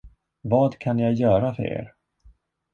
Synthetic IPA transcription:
vɑːd̪kʰanjajœːɾafœ̰ɾḛːɾ

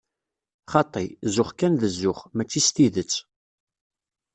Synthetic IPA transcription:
χɑt̪ˤːizʊχkænðəzːʊχmæt͡sːist̪iðət͡sː

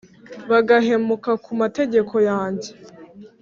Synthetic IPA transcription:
βaɡaɦe̞mukakumate̞ɟe̞kʰo̞jaːɲɟe

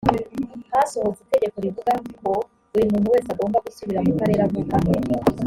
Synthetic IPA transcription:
haso̞ho̞zite̞ɡe̞ko̞ɾivuɡauko̞ | uɾimuːn̥huwe̞ːsaɡo̞ːmbaɡusuβiɾamukaɾe̞ːɾakukameɾ

